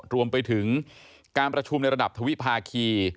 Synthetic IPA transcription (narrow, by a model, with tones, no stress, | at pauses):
ɾu˧əmpa˧jt̪ʰɯ˩˦ŋ | kaː˧npɾa˧t͡ɕʰu˧mna˧jɾa˧da˨˩p̚t̪ʰa˧wi˦˥ʔpʰaː˧kʰiː˧